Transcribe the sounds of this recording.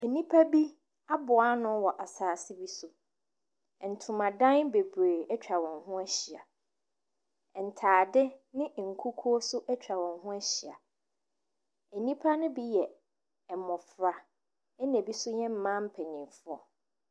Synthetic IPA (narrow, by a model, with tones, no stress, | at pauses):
æ˨nĩ˦pʰa˦bi˦ | a˦bʊ˨a˦nʊ̃˦wɔ˨ʔa˨saː˨sɪ˦bi˦sʊ˦˨ | n̩˨tʰʊ̃˨mã˨dã˦nbe˨be˨ɛ˦t͡ɕᶣa˨wɔ̃˨ŋɦʊ̃˦æ˦ɕi˨a̰˨ | n̩˨tʰaː˨dɪ˦nɪ̃˦˨ŋ̩˨kʰu˦kʰu˦ɔ˦sʊ˦ʔɛ˦t͡ɕᶣa˨wɔ̃˨nɦʊ̃˦æ˦ɕi˨a̰˨ | æ˨nĩ˦pʰa˦nʊ̃˦bi˦jɛ˨ | ɛ˨mʊ̃˨fɾa˨ | ɛ˦nɛ̃˨bi˦sʊ˦ɲɛ̃˦m̩˦mã˦m̩˦pʰɛ˨nĩ˨fʊ˦ɔ˨